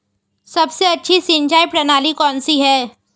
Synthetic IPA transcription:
sɐbseɐtːʃʰisĩnd͡ʒaːjpɾɐnaːlikɔ̃ːnsiɦɛː

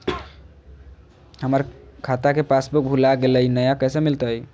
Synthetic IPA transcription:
həməɾkʰat̪akepasbuk̚bʱulaɡeləjnəjakəɦsemilt̪əj

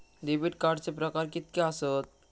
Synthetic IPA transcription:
d̪ibiʈkaɾt͡ʃepɾɔkaɾkit̪̚keasot̪̚

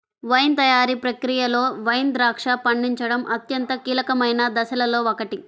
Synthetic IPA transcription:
ʋɐjnt̪ɐjaːɾipɾɐkɾijɐlo̞ːʋɐjnd̪ɾaːkʂɐpɐɳɖiɲt͡ʃɐɽɐmʔɐt̪jɐnt̪ɐkiːlɐkɐmɐjnɐd̪ɐsɐlɐlo̞ːokɐʈi

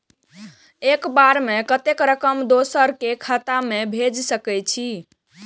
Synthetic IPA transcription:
ekbaɾmekət̪ekɾəkəmd̪osəɾkekʰət̪amebʱed͡ʒsəkɛt͡ʃʰi

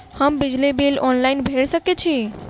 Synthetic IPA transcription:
həmbid͡ʒlibilɔnlaɪinbʱeɽsəket͡ʃʰi

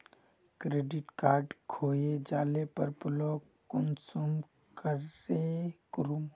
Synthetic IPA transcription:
kɾeːɖɪʈkaːɾɖkʰoːjed͡ʒaːlepəɾpʊloː | kʊnsum | kəɾekɾum

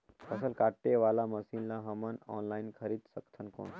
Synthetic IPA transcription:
əsəlkaʈːeʋalaməsinlaɦəmanɔnlainkʰəɾiːd̪səkt̪ʰənko̰n

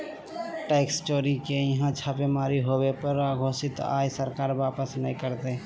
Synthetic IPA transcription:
ʈeːkst͡ʃoːɾikejɐɦãt͡ʃʰaːpemaːɾiɦoːwepəɾaːɡʱoːsɪt̪a̰ːjsəɾkaːɾʋaːpəsnəɦĩkəɾt̪e

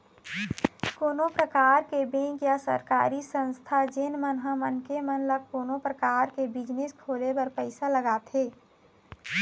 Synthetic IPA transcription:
koːnõpɾəkaːɾkebẽːŋkjasə̰ɾka̰ːɾisə̃nst̪ʰad͡ʒenmənɦəmənkemənləɡ̚koːnõpɾəkaːɾkebɪd͡ʒneskʰoːlebəɾpəɪsaləɡaːt̪ɦeː

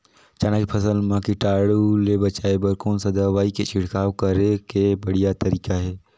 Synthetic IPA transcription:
t͡ʃaːnakipʰəsəlmãkiʈaːɽulebət͡ʃaːebəɾkoːnsɐd̪aʋaːiket͡ʃɪɽ̤kaːwkəɾekebəɽ̤ijat̪əɾiːkaɦɛː

